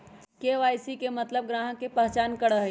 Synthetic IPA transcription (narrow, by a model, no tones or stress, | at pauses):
keːʋaːjsikemɐt̪ləb̚ɡɾãːɦə̃kepɛɦt͡ʃaːnkɐɽəɦe